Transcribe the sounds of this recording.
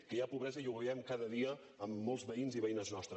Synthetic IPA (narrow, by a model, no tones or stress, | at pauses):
kəjapuβɾɛzəiuβəɛmkaðəðiəː | mːɔlˠzβəinziβəinəznɔst̪ɾə